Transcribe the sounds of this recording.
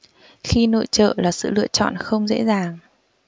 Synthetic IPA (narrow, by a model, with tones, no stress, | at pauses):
xi˧no̰˧˥jt͡ɕə̰ː˧˨laː˨˩sɨ̰˧˨lɨ̰˧˨ət͡ɕɔ̰˧˨nxə˧wŋ͡mzḛ˧˥zaː˨˩ŋ